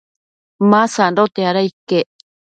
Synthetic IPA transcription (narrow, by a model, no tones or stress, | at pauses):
masandot̪eaɾaikeʔ